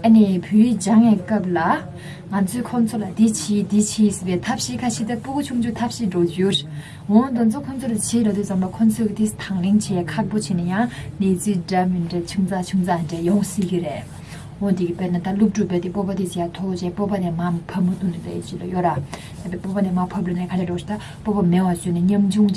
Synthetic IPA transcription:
ʔanipʰøːɹiːd͡ʑaŋwɛːkap̚la | ŋat͡sʰøːkʰoŋt͡sʰolat̪it͡ɕʰiːd̪it͡ɕʰiːsipɛːt̪ʰap̚ɕiːʔkʰaɕiːt̪apukut͡ɕʰuŋt͡ɕut̪ʰap̚ɕiːɖ͡ʐot͡ɕjør | ɦoŋd̪ont͡sʰokʰot͡sʰolat͡ɕʰiːrat̪yːsaŋbakʰont͡sʰøkit̪ist̪ʰaŋlent͡ɕʰɛːkʰaʔ̚pot͡ɕʰenejaŋnet͡siːɖ͡ʐamiɖ͡ʐet͡ɕʰuŋt͡sat͡ɕʰuŋd͡zaɳɖ͡ʐejɔŋsiːkireʔ | ɦoŋt̪ikipenat̪alup̚ʈ͡ʂuʔpeːt̪ipopat̪isijat̪ʰot͡ɕɛːpopaneːmapʰəp̚mut̪uneet͡ɕilajøʔra | epepopaneːmapʰəp̚onekʰaɖ͡ʐeɖ͡ʐo̥t̪a | popamewat͡ɕøneɲamd͡ʑuŋt͡ɕ

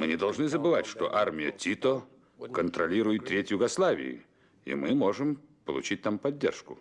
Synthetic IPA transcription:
mɨnʲɪd̪ɐlˠʐnɨzəbɨvatʲʂt̪o̰ʔarmʲɪjə̰tʲit̪o | kənt̪ɾɐlʲiɾʊjɪt̪ːɾʲetʲjʊɡɐslˠavʲɪ̰ɪ̰ | ḭmɨmo̞ʐɨm | pəlˠʊ̰t͡ɕit̚ʲnampɐdʲːḛrʂkʊ

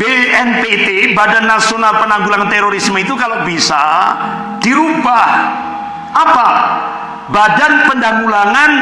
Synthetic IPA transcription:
beɛnpet̪ebadanːasionalpənaŋɡulaŋant̪eɾoɾismit̪ukalabisa̰ | d̥iɾubah | ʔapa | badanpəndaŋɡulaŋan

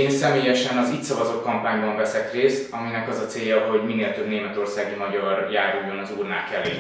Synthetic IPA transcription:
eːnsɛmeːjɛʃɛnɒzit̪sɒvɒzoːkɒmpaːɲbɒɱvɛsɛkreːst̪ɒminɛkɒzɒt̪seːjːɒɦo̞ɟmineːlt̪øbneːmɛt̪o̞rsaːɡimɒɟɒrjaːɾujonɒzuːrnaːkɛlḛː

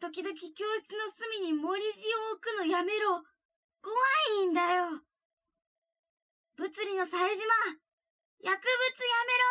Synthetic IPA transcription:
t̪o̞k̬ʲid̪o̞k̬ʲikʲo̞ːɕi̥t͡sɨno̞sɨmʲiɲ̟imo̞ɾʲiʑioːkɯ̟no̞jame̞ɾo | koβaĩnd̪ajo | b̥ɯ̟t͡sɨɾʲinasaeʑima | jakɯ̟bɯ̟t͡sɨjame̞ɾo

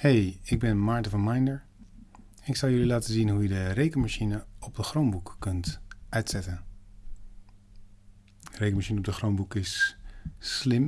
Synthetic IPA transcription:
hejɪɡ̚bɛnmaːɹtəvɔnmajndəɹ | ɛnɪksɑlˠjɵlilaːtəzinɦujədərejkənmaʃinəɔp̚dəχrownbukːɵntʔœɥtsɛtən | ərejkəmaʃinəɔp̚dəχrownbukɪsː | lɪm

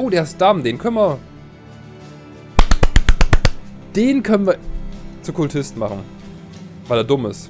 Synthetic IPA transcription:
ʔoːdeːɐɪst̚d̥amdeːnkʰœnənvɐ | d̥eːnkʰœnənviːɐt͡sukʰʊltʰɪstn̩maχn̩ | vaɪleːɐdʊmɪ̰st

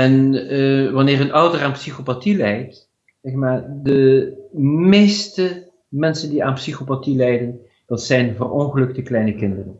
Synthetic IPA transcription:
ɛn | ʋɑnɪːɹənʌwdəraːnpsixopatilɛjt | sɛχmaːɹdə | mejstə | mɛnsəndiaːnpsixopatilɛjdən | d̥ɑtsɛjnvərɔnχəlɵk̚təklɛjnəkɪndərən

